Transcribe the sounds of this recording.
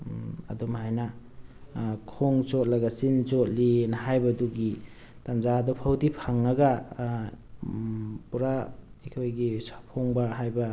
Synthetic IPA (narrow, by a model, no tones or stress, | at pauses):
ɐ̰dɔmhajna | kʰoŋt͡ʃot̚laɡasint͡ʃot̚linaɦajbaduɡi | tanzadɔpʰawdipʰaŋaɡa | puɾaikʰojɡisḁpʰoŋbaɦajba